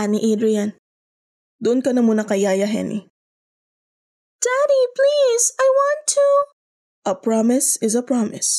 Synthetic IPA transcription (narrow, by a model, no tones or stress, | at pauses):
aniʔid̪ɾiɐn | d̪ʊʔʊnkɐnɐmuːnɐkɐjaːjɐɦɛ̰nḭ | d̥aɾiplizajwɑ̃nt̪ʰu | ʔɐpɹamɪsɪzɐpɹɑmɪs